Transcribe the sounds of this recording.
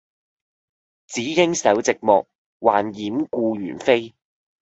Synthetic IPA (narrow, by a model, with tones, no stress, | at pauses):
t͡siː˨˥kɪ˥ŋsɐ˨˥wt͡sɪ˨k̚mɔː˨k̚ | waː˨njiː˨˥mkuː˧jyː˨˩nfe˥j